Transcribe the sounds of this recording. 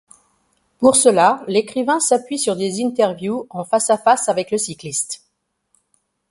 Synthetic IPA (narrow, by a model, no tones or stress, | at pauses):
puʁsəlalekχivɛ̃sapɥisyʁd̪ezint̪ɛʁvjuɑ̃fasafasavɛkləsiklist̪